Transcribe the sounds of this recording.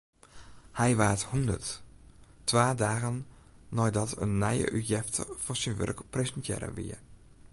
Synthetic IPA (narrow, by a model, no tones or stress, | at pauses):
hɛjʋaːthundə̰rtː | ʋaːdaːɣənː | ɔjdɑtə̰nːɛjə̰ʔyjɛftə̰v̥ɔsənʋœ̰rkpresɛntjɛ̰ɾə̰ʋḭə